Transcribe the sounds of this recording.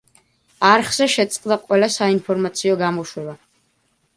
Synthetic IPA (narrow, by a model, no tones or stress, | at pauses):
arχzaʃɛt̪sʼqʼd̪aqʼwɛlasainpʰɔrmat̪sʰiɔɡamɔʃwɛba